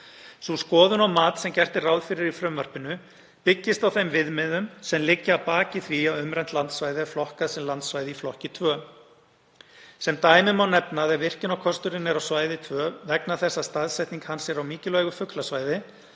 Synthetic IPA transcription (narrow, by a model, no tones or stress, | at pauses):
suskɔːðʏnawmaːt̪sɛmcɛr̥t̪ɪraːwðfɪɾɪɾifɾʏmvar̥pɪnʏ | pɪcːɪst̪awθɛmvɪðmɛðʏmsɛmlɪcːaːwpaːcɪθviawʏmɾɛjnt̪lant̪svaːjðɪaflɔhkasɛmlant̪svajðɪiflɔhcɪt̪ʰvœː | sɛmt̪aːjmɪmawnɛpnaðɛvɪr̥cɪnawkʰɔst̪ʏɾɪnɛɾawsvaːjðɪt̪ʰvœːvɛknaθɛsːast̪aðsɛjht̪niŋkhansɛɾawmiːcɪlœɥɣʏfʏklasvaːjðɪ